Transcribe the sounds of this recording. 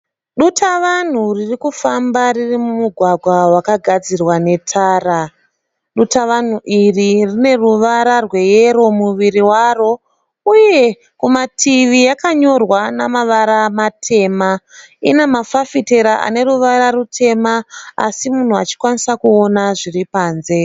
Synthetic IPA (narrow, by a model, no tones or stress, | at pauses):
ɗutʰaʋan̤uririkufambaririmumuɡʱwaɡʱwawakaɡʱad͡zirwane̞tʰaːra | ɗutaʋan̤uʔiririne̞ruʋaɾarwe̞jeɾo̞muʋiriwaːro̞ | uje̞ | kumatʰiʋijakaɲo̞rwanamaʋaɾamatʰe̞ːma | inemafafite̞ɾaʔa̰ne̞ruʋaɾarutʰe̞maa̰simun̤uat͡ʃi̥kwanisakuo̞naʐiripaːnze̞